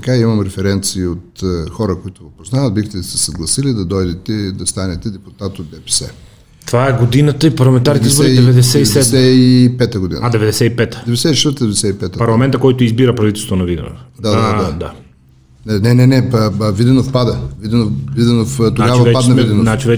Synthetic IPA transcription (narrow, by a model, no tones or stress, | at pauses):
t̪ɐkaimɐmɾɛfɛɾɛnt̪siːot̪xɔɾəkoit̪ʊvopoznavəd̪̚bixt̪ɛsɛ̥sɐɡlˠɐsilid̪ɐd̪ɔjd̪ɛt̪ɛd̪ɐst̪anɛt̪ɛd̪ɛput̪at̪od̪̚bɛpɛ̥sɛ̰ | t̪ovaɛɡod̪inət̪əipɐɾlˠɐmɛnt̪aɾnit̪izbiɛɛvɛd̪ɛsɛiɛɛɛsɛipɛt̪əɡod̪ḭnadd̪ɛvɛd̪ɛsɛipɛt̪ə̥d̪ɛvɛd̪ɛsɛt̪iʃɛst̪əd̪ɛvɛd̪ɛsɛipɛt̪əpɐɾlˠɐmɛnt̪əkɔjt̪oizbiɾəpɾɐvit̪ɛlˠst̪vonɐvid̪ɛ̰v̰d̪ad̪aad̪ad̪a | nɛnɛnɛnɛəvid̪ɛnofpad̪ɐvid̪ɛnovid̪ɛnoft̪oɡavɐvɛpad̪nɐvid̪ɛnoat͡ʃivɛ